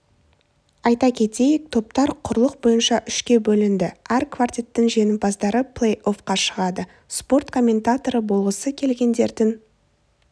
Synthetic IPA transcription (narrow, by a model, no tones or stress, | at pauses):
ɑjt̪ɑkʲʰe̞t̪e̞jɪk̚t̪ʰo̞p̚t̪ɑɾqʰʊɾlˠəq̚bo̞jənʃɑʔʏʃkʲe̞bɵlɪnd̪ɪæɾkʰvart̪ʲijt̪ːɪŋʒe̞nɪmbɑzd̪ɑɾəpʰlˠejʔo̞fqɑʃəʁɑd̪ə | spo̞rt̪kʰo̞mʲːe̞nt̪at̪o̞ɾəbo̞lˠʁəsəkʲʰe̞lɡʲe̞nd̪e̞ɾd̪ɪŋ